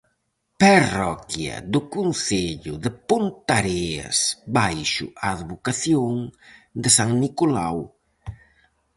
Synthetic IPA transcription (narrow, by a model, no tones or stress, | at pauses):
parɔkjɐ̰d̪ʊkunθeʎʊðɪpont̪aɾeɐ̰sbajʃʊ̰aːðβokaθjoŋd̪ɪsaŋnikola̰w